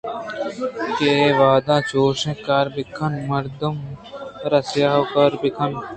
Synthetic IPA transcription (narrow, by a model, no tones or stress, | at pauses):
keːʋaːd̪ãːt͡ʃoːʃẽːkaːɾbɪkʰɐnmɐɾd̪ɐmɾɐsjaːwkɐɾbɪkʰɐn